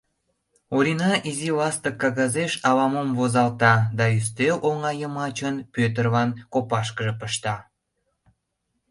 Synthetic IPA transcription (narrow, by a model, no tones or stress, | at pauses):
oɾinɑʔizilɑst̪əkːɑɣɑzeʃɑβɑmomvozɑlt̪ɑd̪ɑys̬t̪eʔoŋɑjəmɑt͡ɕənpøt̪̬ərβɑnkopɑʃkəʒə̆pəʃt̪ɑ